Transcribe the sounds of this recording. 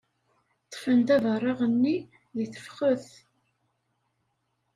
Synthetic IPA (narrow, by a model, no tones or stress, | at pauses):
t̪ːə̥fənd̪ævərˤːɑʁənːi | ðiθə̥fχəθ